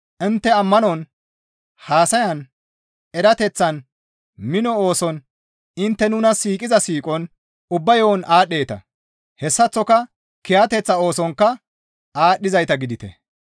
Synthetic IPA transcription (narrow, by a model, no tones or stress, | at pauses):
ʔɪnt̪ːɛɐmːɐnɔn | haːsɐjɐn | ɛɾɐt̪ɛt͡sːɐn | mɪnɔoːsɔn | ɪnt̪ːɛnʊnɐsiːkʼɪzɐsiːkʼɔn | ʊbːɐjowːnʔaːɗːe̞ːt̪ɐ̰ | hɛsːɐt͡sːɔkɐ | kɛjɐt̪ɛt͡sːɐo̞ːsɔŋkːɐ | aːɗːɪzɐjt̪ɐɡɪd̪ɪt̪ɛ̰